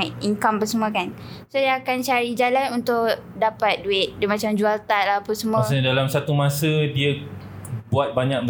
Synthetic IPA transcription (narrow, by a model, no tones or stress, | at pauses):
iŋkambəsəmuakansodiaːkant͡ʃaɾid͡ʒalanunt̪ʊʔ | dapat̪̚duɪt̪̚dmat͡ʃamd͡ʒualt̪aʔlapusəmũasɲadalamsat̪umãsədia | buat̪̚baɲak̚b